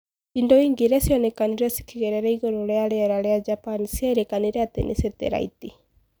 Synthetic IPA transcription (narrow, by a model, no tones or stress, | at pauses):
indɔiːŋɡiɾɛsiɔnɛkaniɾɛsi̥kiɣɛɾɛɾɛiɣɔɾɔlɛaɾɛɛɾalead͡ʒapanisiɛɾɛkaniɾɛatɛ̰nʔḭsɛtɛ̰ɾa̰ḭti